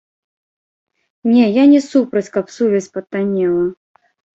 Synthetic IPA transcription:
nʲɛjanʲɛsupɾɐt͡sʲkɐpsuvʲɛsʲpɐt̪ːanʲɛlˠɐ

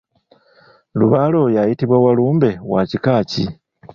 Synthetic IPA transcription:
luβalo̞jajitiβwawaluːmbe̞wacikaːci

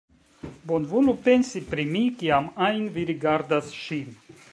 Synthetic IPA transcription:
bonvulupe̞nsipɾimikiamajnviɾiɡaɾdasʃin

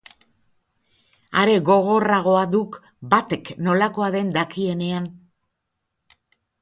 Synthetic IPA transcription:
aɾe̞ɣo̞ɣ̞o̞raɣ̞o̞aðuk | bat̪e̞kno̞lako̞aðe̞nd̪akie̞ne̞an

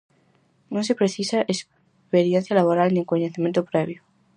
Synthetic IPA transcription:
nõns̬epɾeθisaʔes | peɾjen̟θjalaβoɾalnĩŋkoɲeθimẽnt̪opɾeβ̞jo

